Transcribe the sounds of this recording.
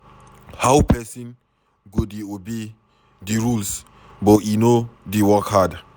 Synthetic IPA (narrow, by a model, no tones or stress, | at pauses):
hawpɛsĩn | ɡodeobe | diɹuls | bɔinodewɔkhad